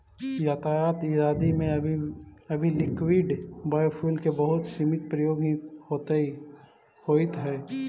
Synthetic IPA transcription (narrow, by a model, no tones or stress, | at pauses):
jaːt̪aːjaːt̪ɪɾaːd̪imẽ | ɐbʱilɪkwɪɖbaːjpʰuːlkebəɦʊt̪simɪt̪̚pɾəjoːɡhot̪e | hoːɪt̪ɦɛː